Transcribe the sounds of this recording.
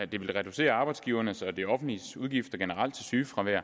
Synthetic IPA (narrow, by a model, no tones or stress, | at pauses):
æd̥e̝ʋe̝lʁɛd̥use̝̰ːɐɑ̈ːb̥ɑ̈ɪd̥sɡ̥iːʊɐnəsɒ̽d̥iɒ̽fn̩d̥lisuð̞ˠɡ̥ifd̥ɐɡ̥enəʁɑl̰d̥t͡sʰe̝syːfʁɑ̈ʋæɐ̰